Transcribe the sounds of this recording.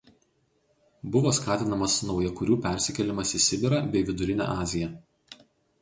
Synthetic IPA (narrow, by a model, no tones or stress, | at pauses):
bʊʋoːskɑːt̪ʲɪnɐmɐsnɒʊjɛkʊɾʲuːpʲɛˑɾʲsʲɪkʲɛlʲɪmɐsɪsʲɪbʲɪɾɐbʲɛɪʋʲɪd̪ʊɾʲɪnʲæ̰ːʔɑːzʲɪjɛ